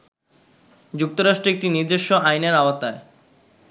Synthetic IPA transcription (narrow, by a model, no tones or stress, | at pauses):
d͡ʑuk̚t̪oɾaʃʈɾoek̚ʈiniɾd̪eʃːoʔajneɾaoat̪ae